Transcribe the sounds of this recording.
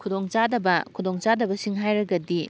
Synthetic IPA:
kʰudoŋt͡ʃadɐbɐkʰudoŋt͡ʃadɐbɐsiŋɦajɾɐɡɐdi

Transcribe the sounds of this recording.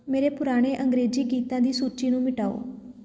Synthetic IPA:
meːɾeːpʊɾaːɽ̃eːʔəŋɡɾeːd͡ʒiːɡiːt̪ãːd̪iːsuːt͡ʃiːnũːmɪʈaːo̰ː

